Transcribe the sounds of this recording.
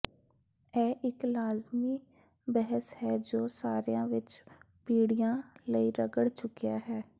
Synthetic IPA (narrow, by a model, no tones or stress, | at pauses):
ɛːʔɪklaːzmiː | bɛɦəshɛːd͡ʒoːsaːɾijãːʋɪt͡ʃ | piːɽijãːləiɾəɡəɽt͡ʃʊkijaːɦɛː